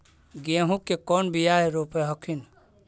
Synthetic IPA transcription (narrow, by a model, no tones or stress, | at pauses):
ɡẽɦũkːekɔnbijaɦeɾoːpeɦəkʰin